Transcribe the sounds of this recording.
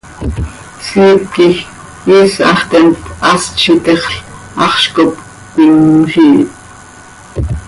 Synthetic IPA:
siːp̚kix | iːsɑχt̪ɛnt̪ɑst͡ʃʰit̪eχɬ | ɑχʃkop | kʷiŋχiːt̪

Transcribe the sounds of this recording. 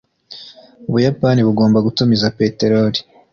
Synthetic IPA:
uβujapaniβuɡo̞ːmbaɡutumizape̞ːte̞ɾoɾi̥

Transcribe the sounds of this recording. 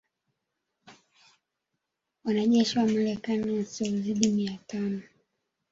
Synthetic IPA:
wanaʄɛʃiwamalɛkaniwasiɔuziɗimiatanɔ

